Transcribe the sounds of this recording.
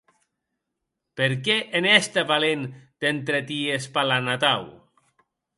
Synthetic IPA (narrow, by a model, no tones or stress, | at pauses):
peɾkɛʔenɛst̪aβalend̪̥ent̪ɾet̪iespalanat̪aw